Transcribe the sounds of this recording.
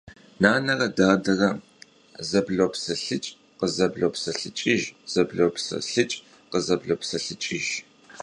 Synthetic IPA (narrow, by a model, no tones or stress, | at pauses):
naːnɐrɐdaːdɐrɐ | zɐbɮopsɐɬɨt͡ʃʼ | qəzɐbɮoːpsɐɬɨt͡ʃʼɪʒz̥ɐbɮowpsɐ̰ɬɨt͡ʃʼ | qəzɐbɮopsɐɬɨt͡ʃʼɪʒ